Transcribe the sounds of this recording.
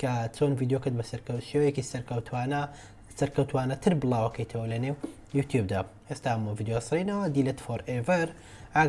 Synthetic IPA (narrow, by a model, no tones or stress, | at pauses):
kʰɐt͡sʰonvid̪ejokɨɾd̪bɐsɐɾkɐwʃewjekisɐɾkɐwt̪ʰwanɐ | sɐɾkɐwt̪waːnɐt̪ʰɨɾbɨlˠaːwɐkʰɐjt̪ʰɐwɐlɐnew | juːt̪ʰjub̚d̪aʔest̪aːɐmaviːd̪ejosɨɾinɐwɐd̪ilet̪foɾʔevɐɾ | ʔa